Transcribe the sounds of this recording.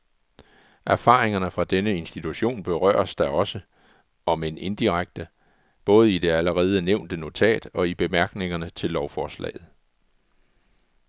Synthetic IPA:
ʔæɐfɑ̈ːʁe̝ŋɐnəfʁɑ̈d̥enəe̝nsd̥it͡sʰuɕo̝̰ːnb̥e̝ʁœ̰ːɐsd̥ɑɒ̽sə | ɒ̽me̝ne̝nd̥iʁaɡ̥̚d̥ə | b̥ɔ̽ːð̞̩ˠid̥e̝æləʁɛːð̞ˠəneʊ̰nd̥əno̝t͡sʰɛ̰ːd̥ɒ̽ib̥e̝mæɐɡ̥ne̝ŋɐnət͡sʰe̝lɒʊfɒːslɛ̰ːð̞̩ˠ

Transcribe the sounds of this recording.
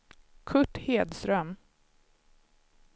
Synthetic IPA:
kʰɵʈːheːd̪st̪ɾœm

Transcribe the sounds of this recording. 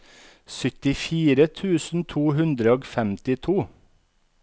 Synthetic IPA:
sœt̪ɪfiːɾət̪ʰʉːsn̩t̪ʰuːhʉnd̪ɾəoːɡfɛmt̪ɪt̪ʰuː

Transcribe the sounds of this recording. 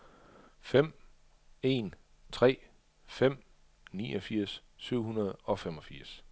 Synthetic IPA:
fem̰ | e̝n | t͡sʰʁɛ̰ː | fem̰ | niːɒfiɐ̰ssyʊ̰ɦunɐð̞ˠɒ̽femɒ̽fiɐ̰s

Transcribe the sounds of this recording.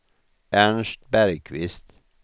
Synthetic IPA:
æɳʃt̪bæɾkʰʋɪst̪

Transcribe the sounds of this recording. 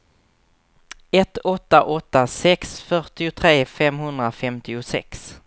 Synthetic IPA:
ɛt̪ɔt̪ːaʔɔt̪ːasɛksfœʈɪʊt̪ʰɾeːfɛmɦɵnd̪ɾafɛmt̪ɪʊsɛ̰ks

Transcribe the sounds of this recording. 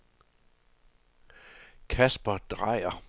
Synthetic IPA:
kʰæsb̥ɐd̥ʁɑɪ̰ɐ

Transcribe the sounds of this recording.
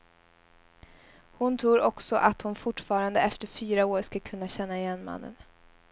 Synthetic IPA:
hʊnt̪ʰɾuːɾɔksɔʔat̪hʊnfʊʈːfɑːɾand̪əɛft̪əɾfyːɾaoːɾʂkakʰɵnːaɕɛnːaɪjɛnːma̰nːə̰n

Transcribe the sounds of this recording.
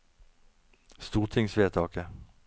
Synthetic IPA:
st̪uːʁt̪ʰɪŋsʋeːt̪ʰɑːkə

